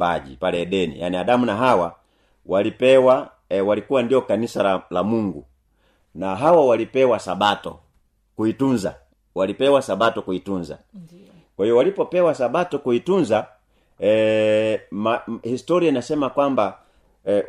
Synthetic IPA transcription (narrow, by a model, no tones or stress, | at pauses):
aʄḭpalɛːɗɛnḭja̰niaɗamunaɦawa | walipɛwa | walikuwandiɔkanisalalamuŋɡṵ | naɦawawalipɛwasaɓatɔ̰ | kuitunza̰ | walipɛwasaɓatɔkuitunza̰ | kwahiɔwalipɔpɛwasaɓatɔkuitunza | mahistɔɾiainasɛmakwamba